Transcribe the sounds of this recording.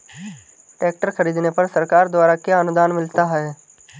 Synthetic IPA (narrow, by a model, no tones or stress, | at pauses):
ʈɛːk̚ʈəɾxəɾiːd̪nepɐɾsəɾkaːɾd̪waːɾakjaənʊd̪aːnmɪlt̪aɦɛː